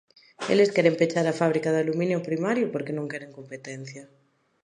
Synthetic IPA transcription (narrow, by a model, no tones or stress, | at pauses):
ḛleskɛɾempet͡ʃaɾafaβ̞ɾikaðalumĩnjʊpɾimaɾjʊpoɾkenõŋkɛɾeŋkompet̪ɛn̟θja